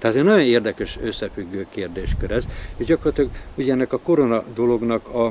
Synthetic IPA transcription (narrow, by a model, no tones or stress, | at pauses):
t̪ɛɦat̪enɒjo̞neːrd̪ɛkøʃøsːɛfyɡːøːkeːrd̪eːʃkøɾɛzeʒɟɒkorlɒt̪ɒɡuɟɛnːɛkɒko̞ɾo̞nɒd̪o̞lo̞ɡnɒkɒ